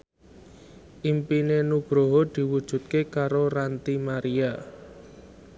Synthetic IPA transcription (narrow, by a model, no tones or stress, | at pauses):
ʔimpinenub̥ɾoɦod̪̥i̤wud̥ʒ̥ṳt̪̚kekaɾoɾant̪imaɾia